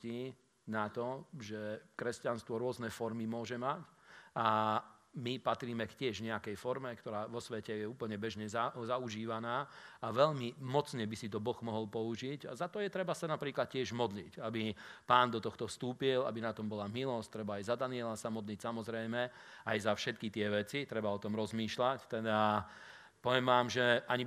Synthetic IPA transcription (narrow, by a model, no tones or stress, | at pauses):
i | nat̪ɔʒɛkɾɛscanst̪ʋɔɾʊɔznɛfɔɾmimʊɔʒɛmaca | mipat̪ɾiːmɛkcɪɛʒɲɛakɛjfɔɾmɛkt̪ɔɾaːʋɔsʋɛcɛjɛuːpl̩ɲɛbɛʒɲɛzazauʒiːʋanaːaʋɛʎmimɔt͡sɲɛbisit̪ɔbɔɣmɔɦɔlpɔuʒiɟazat̪ɔjɛt̪ɾɛbasanapɾiːklat̪̚cɪɛʒmɔd̪licabipaːnd̪ɔt̪ɔxt̪ɔfst̪uːpila̰binat̪ɔmbɔlamilɔst̪ɾɛbaːjzad̪aniɛlasamɔd̪licsamɔzɾɛjmɛ | ajzafʃɛt̪kit̪ɪɛʋɛt͡sit̪ɾɛbaɔt̪ɔmɾɔzmiːʃlact̪ɛd̪a | pɔʋɛmʋaːmʒɛaɲi